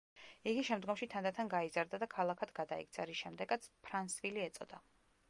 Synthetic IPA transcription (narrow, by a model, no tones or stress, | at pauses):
iɡiʃɛmd̪ɡɔmʃit̪ʰand̪at̪ʰanɡaizaɾd̪ad̪akʰalˠakʰad̪ɡad̪aḭk̚t̪sʰaɾisʃɛmd̪ɛɡat̪sʰpʰɾansviliɛt̪sʼɔ̰d̪̥a